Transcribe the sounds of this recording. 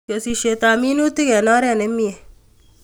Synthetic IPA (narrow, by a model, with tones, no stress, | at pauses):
ko˨si˧ʃe˨t̪a˨mi˦nu˦t̪ɪ˦kɛ˨nɔ˦ɾɛ˦˨ne˦mi˦e˨